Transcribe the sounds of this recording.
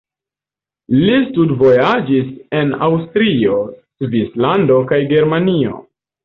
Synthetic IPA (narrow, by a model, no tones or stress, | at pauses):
listudvo̞jad͡ʒise̞na̰wstɾio̞svislando̞kajɡe̞ɾmanio̞̰